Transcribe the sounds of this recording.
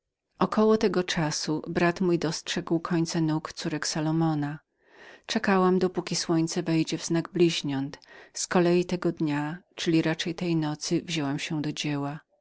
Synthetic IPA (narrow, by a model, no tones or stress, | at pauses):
ʔɔkɔwɔt̪ɛɡɔt͡ʂasubɾat̪mujd̪ɔstʂɛɡwkʰɔɲt̪sanukt̪suɾɛksalɔmɔna | t͡ʂɛkawamd̪ɔpukʲiswɔɲt̪sɛvɛjd͡ʑɛvz̥naɡblʲiʑɲɔnt̪skɔlɛjit̪ɛɡɔd̪ɲat͡ʂɘlʲiɾat͡ʂɛjt̪ɛjnɔt̪sɘvʑɛwamɕɛd̪ɔd͡ʑewa